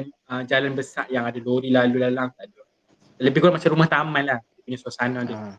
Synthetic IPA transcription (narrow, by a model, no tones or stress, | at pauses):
məd͡ʒalanbəsaʔjaŋadaloɾilalulalaŋt̪aʔdɔ | aləbɪkuɾaʔmat͡ʃamɾumaht̪amãnlahdipuɲasuasanãdə